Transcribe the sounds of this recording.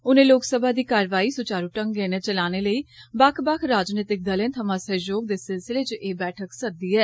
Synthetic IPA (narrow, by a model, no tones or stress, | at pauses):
ʊnẽːloːksəbʱaːd̪iːkaːɾʋaːiːsʊt͡ʃaːɾuːʈəŋɡɛːnẽːt͡ʃəlaːneːləiːbakʰbakʰɾaːd͡ʒneːt̪ɪk̚d̪əlẽːt̪ʰəmãːsəjoːɡ̚d̪eːsɪlsɪleːt͡ʃʔeːbɛːʈʰəksəd̪iːɛː